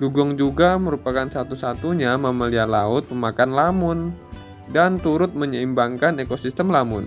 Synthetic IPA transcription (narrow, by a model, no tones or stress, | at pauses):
ɡuɡɔŋd͡ʒuɡaməɾupakansat̪usat̪uɲamaməlialaʊt̪̚məmakanlamʊn | dant̪uɾʊt̪̚məɲəimbaŋkanekosist̪əmlamʊ̰n